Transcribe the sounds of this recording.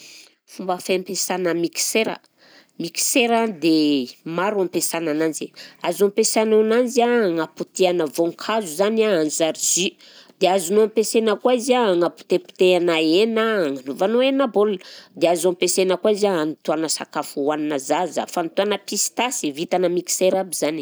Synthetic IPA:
fumbəfampesanəmiki̥seɾə̰ | miki̥seɾad̪emaɾampesanananziazampesanananziaŋaput̪ianəvoŋkʰazuzanaanzaɾizi | d̪̥eazunoampesenəkwaizaŋapu̥t̪epu̥t̪eanaenaŋanovanoenabold̪eazampesenəkwazaanit̪uanəsa̰kafuwaninəzazə̰fant̪uanəpisi̥t̪asivit̪anəmiki̥seɾabiz̥ani

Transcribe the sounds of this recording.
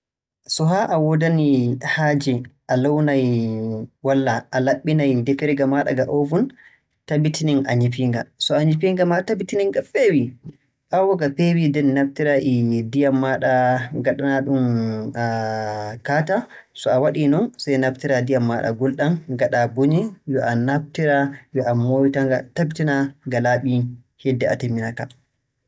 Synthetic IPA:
sɔɦaʔawɔdanihad͡ʒiʔalawnaj | walːaʔːlaɓːinajdɛfɛɾɡamaɗa̰ɡaʔovun | tabitʰininʔaɲipiŋɡasɔaɲip̬iŋɡamatabitiniŋɡafewi | ʔawɔɡapewidɛnnaf̚tiɾaʔidijamːaɗaɡaɗanaɗum | kaːta | sɔawaɗinɔnsajnaftiɾadijamːaɗa̰ɡɔlɗanɡaɗabuɲɛjɔʔanaf̚tiɾawɛʔamowitaŋɡa̰tabitinaɡalaɓi | hɛdːɛa̰temːinata

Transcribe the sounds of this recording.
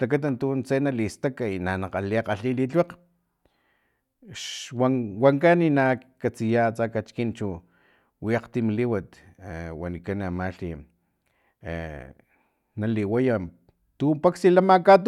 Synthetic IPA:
lak̬at̪̬ant̪unt͡senalist̪akainanaqaliaqaɬilit͡ɬweq | ʃwawaŋkaninakat͡sijat͡sakat͡ʃkint͡ʃu | wiaqt̪imliwat̪wanikanamaɬi | ḛ | naliwaja | t̪umpaksilamakat̪

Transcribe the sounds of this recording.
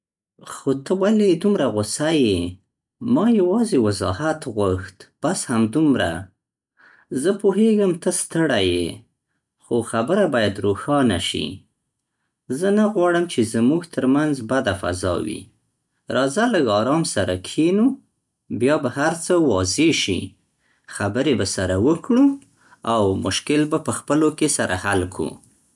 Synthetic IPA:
xot̪əwaled̪umɾaɣʊsaje | mɑjawɑzewazɑ̰hat̪ɣwaxt̪pashamd̪umɾa̰ | zəpoɦeɡəmt̪əst̪əɽajḛ | xoxabəɾabɑjad̪ɾoxɑna̰ʃḭ | zənaɣwɑɽəmt͡ʃezəmuɡt̪ʰəɾmanzbad̪afa̰zɑ̰wḭ | ɾɑzaləɡɑɾɑmsaɾakʰenu | bjɑbahaɾt͡səwɑzeʃḭ | xabəɾebasaɾawəkɽu | awmʊʃkɪlbapəxpəlokesaɾʔa̰halkʰṵ

